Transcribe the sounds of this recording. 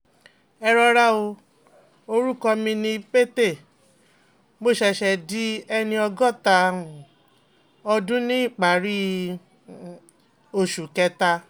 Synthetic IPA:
ɛ˧ɾɔ˧ɾa˦o˧ | o˧ɾu˦˨kɔ˧mĩ˧nĩ˧k͡pe˦te˦˨ | mo˦˨ʃɛ˧ʃɛ˧di˦ɛ˧nĩ˧ɔ˧ɡɔ˦˨tã˧˨ | ɔ˧dũ˦nĩ˦i˦˨k͡pa˨˦ɾi˦ | o˧˨ʃu˨kɛ˧ta˧

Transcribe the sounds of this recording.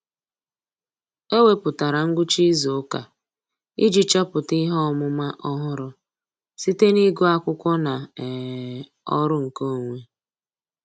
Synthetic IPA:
e˦we˦pʊ˨ta˨ɾa˨ŋ̩˦ɡʊ˦t͡ʃi˦zo˨˦ka˨ | ḭ˦d͡ʒi˨t͡ʃɔ˦pʊ˨ti˦ɦɔ˦˨mʊ˦ma˦ʔɔ˦ɦʊ˦ɾʊ˦ | si˦te˦ni˦ɡʊ˦a˦kʷʊ˦kʷɔ˦na˨ɛ˨ | ɔ̰˦ɾʊ˦ŋ̩˨ko˦o˨ŋʷe˦

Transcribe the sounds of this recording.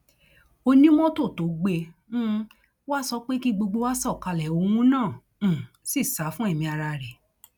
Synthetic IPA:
o˧nĩ˦mɔ̃˦to˦˨to˨˦ɡ͡bẽ˧˦ | wa˦sɔ˧k͡pe˦ki˦ɡ͡bo˧ɡ͡bo˧wa˦sɔ˦˨ka˧lɛ˨o˧w̃ũ˦nãː˦˨˦ | si˦˨sa˨˦fũ˦ɛ˦˨mĩ˧a˧ɾa˧˨ɾɛ˨

